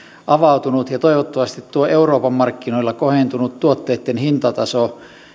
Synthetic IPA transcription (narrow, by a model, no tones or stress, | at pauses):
ʔɑʋɑut̪unut̪jɑt̪oiʋot̪ːɑʋɑst̪it̪tuoʔeuroːpɑmmɑrkːinoilːɑkohent̪unut̪tuot̪ːeːt̪ːenhint̪ɑt̪ɑso